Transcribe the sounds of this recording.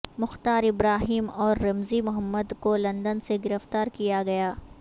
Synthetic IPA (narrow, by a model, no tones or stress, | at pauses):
mʊxt̪aːɾɪbɾaːɦiːmɔːɾːɐmzimʊɦəmːəd̪kolɐ̃nd̪ənseɡɪɾəft̪aːɾkijaɡɐjaː